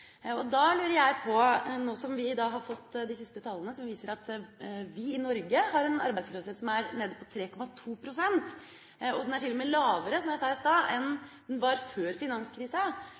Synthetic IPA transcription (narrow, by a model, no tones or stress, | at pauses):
ɔd̪ɑlʉːɾəɾjæɪpʰɔnoːsɔmʋɪɪd̪ɑːɦɑɾfɔt̪ːd̪ɪsɪst̪ət̪ʰɑlːənəsɔmʋiːsəɾɑt̪ʋɪɪnɔɾɡəhɑɾɛnɑ̰ɾbæɪd̪sləːʋseːt̪sɔmæɾneːd̪ɔpʰɔt̪ʰɾeːkʰɔmɑt̪ʰuːpʰɾʊsɛnt̪ | ɔd̪ɛnæʈʰɪlːɔmɛːlɑːʋəɾəsɔmjæɪsɑːsd̪ɑːʔɛnd̪ɛnʋɑɾføːɾfɪnɑnskʰɾiːsə